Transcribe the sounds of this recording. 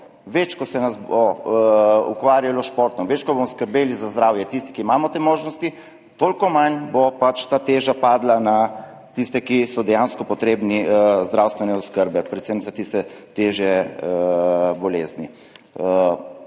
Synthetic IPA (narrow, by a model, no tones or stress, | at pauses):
ʋet͡ʃkɔsɛnasbo | ṵkʋaːɾjalɔʃpoːɾt̪nɔmʋet͡ʃkɔbomɔskəɾbeːlizazd̪ɾaːwjɛt̪ist̪i̥kiːmaːmɔt̪eːmoːʒnɔst̪i | t̪olkɔmanbopat͡ʃt̪aːt̪eːʒapaːd̪lana | t̪ist̪ɛkisɔd̪ɛjanskɔpɔt̪ɾeːbnizd̪ɾawst̪ʋɛnɛɔskəɾbɛpɾɛt̪səmzat̪ist̪ɛt̪eːʒjɛ | bɔleːzni